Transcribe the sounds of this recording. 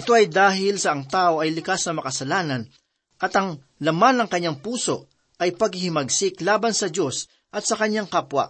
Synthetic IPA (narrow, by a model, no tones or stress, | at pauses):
ʔɪt̪o̞ʔɐjd̪aːɦɪlsɐʔɐŋt̪aːʔo̞ɐjlɪkasnɐmɐkɐsɐlaːnɐn | ʔɐt̪ɐŋ | lɐmanːɐŋkɐɲːaŋpuːso̞ʔ | ʔɐjpɐɡ̚hɪhɪmɐɡsɪklaːbɐnsɐd͡ʒo̞s | ʔɐt̪̚sɐkɐɲːaŋkapwɐ̰ʔ